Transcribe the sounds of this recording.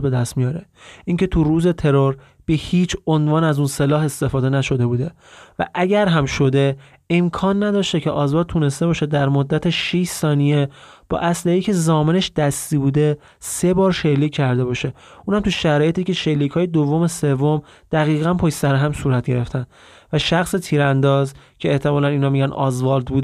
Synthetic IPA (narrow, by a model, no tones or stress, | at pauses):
be̞d̪æst̪mijɒːɾeiːŋcʰe̞t̪ʰuruːze̞t̪ʰe̞ɾoɾ | b̥e̞hiːt͡ʃʰonvɒːnæzuːnselɒːɦe̞st̪e̞fɒːd̪e̞næʃo̞d̪e̞buːd̪e̞ | væ̰ʔæɟæɾɦæmʃo̞d̪e̞ː | mkʰɒːnːæd̪ɒːʃt̪ecʰeʔɒːzɒːɾt̪ʰune̞st̪e̞bɒːʃed̪æɾmod̪ːæt̪ʰeʃiʃsɒːnije | b̥ɒ̰ːʔæslehiːcʰe̞zɒːme̞neʃd̪̥æst̪iːbuːd̪e̞ | se̞bɒːɾʃelːiːcʰːæɾd̪e̞bɒːʃe̞ | ʔuːnhæmt̪ʰuʃæɾɒːje̞t̪iːce̞ʃelːiːcʰhɒːjed̪ovːome̞se̞vːom | d̪̥æɣiːɣænpʰojsæɾeɦæmsuːɾæt̪̚ɟe̞ɾe̞ft̪æn | væʃæxset̪ʰiːɾænd̪ɒːzcʰe̞ːht̪ʰe̞mɒːlæniːnɒːmiɟænɒ̰ːzvɒːɾd̪buːd̪